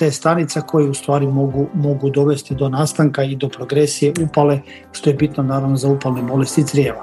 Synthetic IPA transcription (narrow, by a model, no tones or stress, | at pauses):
t̪est̪anit̪sako̞jeust̪ʋaːɾimoɡumo̞ɡud̪o̞ʋe̞st̪id̪o̞naːst̪aŋkaid̪o̞pɾo̞ɡɾesije̞upale̞ | ʃt̪o̞je̞bit̪nonaːɾaʋnozaupalnemo̞le̞st̪it̪sɾjeːʋa